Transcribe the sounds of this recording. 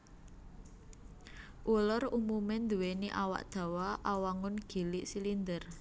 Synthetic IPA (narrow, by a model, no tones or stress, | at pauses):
ʔulʊrumumɪnd̪uweniʔawa̰ʔd̪̥ä̤waʔawaŋʊnɡ̥i̤lɪʔsilind̪ər